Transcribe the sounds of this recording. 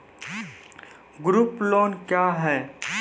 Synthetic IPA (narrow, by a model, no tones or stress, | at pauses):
ɡɾuːplɔːnkjaɦɛː